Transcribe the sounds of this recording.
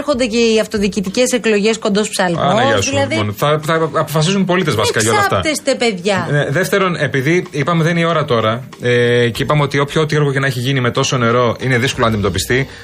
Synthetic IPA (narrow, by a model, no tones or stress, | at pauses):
ɾxo̞nd̪ece̞iɐft̪o̞ðiːcit̪ice̞se̞klo̞ʝe̞sko̞nd̪o̞spsɐlmɐ̰nɐʝɐsuilɐðionθɐθɐːpo̞fɐs̬isumpo̞lit̪ezvɐsikɐjɐolɐft̪ɐt̪est̪epe̞ðʝɐneðeft̪e̞ɾo̞ne̞piðiipɐmeðenio̞ɾɐt̪o̞ɾɐ | ece̞ipɐmeo̞t̪io̞pçoot̪ieɾɣoce̞nɐeçiʝinime̞t̪o̞so̞ne̞ɾo̞ine̞ðisko̞lonɐnd̪imet̪opist̪i